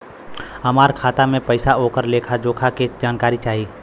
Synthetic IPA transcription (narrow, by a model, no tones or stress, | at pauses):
ɐmaːɾkʰaːt̪amẽpəɪsaoːkəɾleːkʰad͡ʒoːkʰaked͡ʒaːnkaːɾit͡ʃaːɦiː